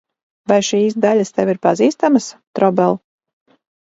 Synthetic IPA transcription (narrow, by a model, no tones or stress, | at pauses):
vajʃiːs̬d̪alʲast̪ɛviɾpaziːst̪amɐst̪ɾɔbɛlˠ